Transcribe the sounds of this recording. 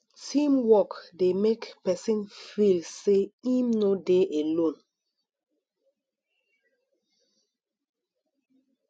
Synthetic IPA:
tʰĩmwɔkdemekpɛsĩnfilseĩmnodeʔelõn

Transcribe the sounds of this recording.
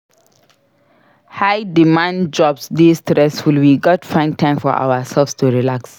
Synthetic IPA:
haɪdimãndd͡ʒɔbsdistɾɛsfulwiɡɔtfãɪ̃n̚tʰãɪ̃mfɔ̰ʔa̰wəsɛlfstuɹilaks

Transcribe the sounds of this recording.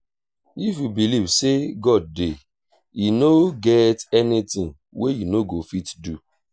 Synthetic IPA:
ifjubilivseɡɔd̚ːe | inoɡɛtɛnitĩŋ | wejinoɡofitdu

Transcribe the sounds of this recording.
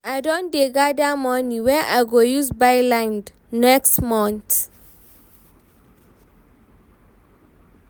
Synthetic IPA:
adɔ̃ndeɡadamɔniwɛ̃nʔa̰jɡojuzbajlãjnd | nɛkstmɔ̃nt̪

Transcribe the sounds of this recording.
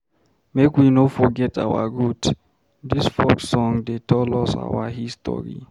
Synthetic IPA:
mekwinofɔɡɛta̰wa̰ɡud | disfɔksɔ̃ŋdetʰɔlɔsa̰waɦistɔ̰ɾḭ

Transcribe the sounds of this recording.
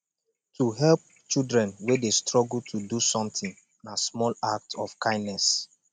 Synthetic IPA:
tʰuɦɛlp̚ | t͡ʃildɹɛ̃nwedestɹɔɡultʰudusɔ̃mt̪ĩŋ | nasmɔlak̚tɔfkʰãɪ̃ndnɛs

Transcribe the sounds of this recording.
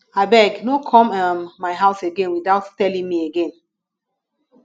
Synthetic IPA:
abɛɡnokʰɔ̃mamːaɪɦaʊseɡɛ̃nwiðaʊttɛlĩŋmieɡɛ̃n

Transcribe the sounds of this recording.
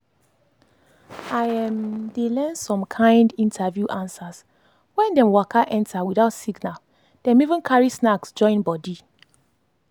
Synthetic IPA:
aɪɛ̃mdelɛ̃nsɔ̃mkʰãɪ̃ndĩntʰavjuʔãnsas | wɛ̃ndɛ̃mwakaʔɛ̃ntʰawiðaʊtsiɡnal | d̥ɛ̃mivũnkʰaɹisnaksd͡ʒɔ̃ɪ̃nbɔdi

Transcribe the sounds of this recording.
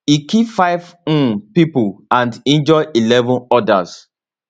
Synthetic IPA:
ikifaɪṽ̩pipuãndɛ̃nd͡ʒɔjʔilɛvɔ̃nɔdas

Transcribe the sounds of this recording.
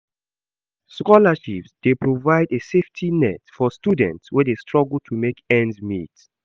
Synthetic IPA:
skɔlaʃipsd̥epɹovaɪdeseftʰinɛtfɔstudɛ̃ntswɛdestɹɔɡəl̩tʰumekɛ̃ndzmit

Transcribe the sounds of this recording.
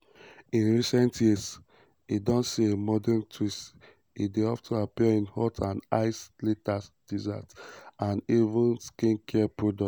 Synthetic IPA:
ĩnɹisɛ̃ntʰjiəs | idɔ̃nsiemɔdɛntʰwist | ideɔftʰɔ̃napiaĩnhɔtʰãna̰ɪsletasd̥izatãnivũnskĩnkʰɛapɹodɔ

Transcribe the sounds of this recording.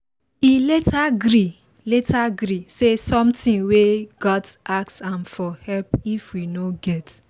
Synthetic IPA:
iletaɡɾi | letaɡɾisesɔ̃mtĩŋweɡɔdsaksãmfɔhɛlpifwinoɡɛt

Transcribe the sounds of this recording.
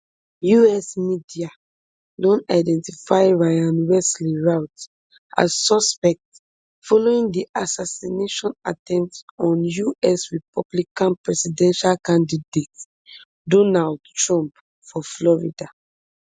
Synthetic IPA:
juɛsmidia | dɔ̃ntaɪdɛ̃ntifaɪɹajãnwɛsliɹaʊt | a̰zːɔspɛk̚t | fɔloĩŋdiʔasasineʃɔ̃natɛ̃mptɔ̃njuɛsɹipɔblikãnpɹɛsidɛ̃nʃalkãndidet | dɔnaldtɹɔ̃mp | fɔflɔɹida

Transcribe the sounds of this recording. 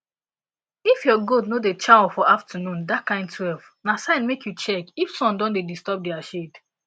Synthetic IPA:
ifjɔɡodnodet͡ʃawfɔʔaftənũndakʰãɪ̃ndtʰwɛlv | nasãɪ̃nmekʰjut͡ʃɛkifsɔ̃ndɔ̃ndedistɔp̚diaʃed

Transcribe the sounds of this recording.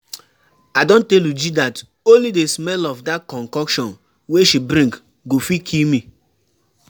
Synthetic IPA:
adõntɛljud͡ʒidat | õnlidesmɛlɔvdatkɔ̃ŋkɔkʃɔ̃n | weʃibɾĩŋk | ɡofikʰilmi

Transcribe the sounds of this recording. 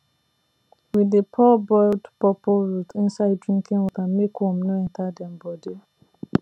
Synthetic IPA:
wiðəpʰɔbɔldpɔpɔɹutʰĩnsaɪd̚dɹĩŋkʰĩŋwɔθamekhũmnoɛ̃ntʰadɛ̃mbɔdi

